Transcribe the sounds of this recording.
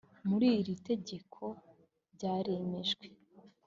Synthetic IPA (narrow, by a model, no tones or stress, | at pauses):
muɾiːɾite̞ɟe̞kʰo̞ | ɾɟaːɾe̞me̞ʒɡwe̞